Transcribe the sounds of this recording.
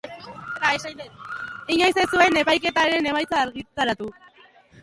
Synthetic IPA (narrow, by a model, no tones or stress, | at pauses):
eɾaesaj̪et̪iɲajsesue̞ne̞pajke̞t̪aɾe̞ne̞majt͡saːɾɣit̪aɾat̪u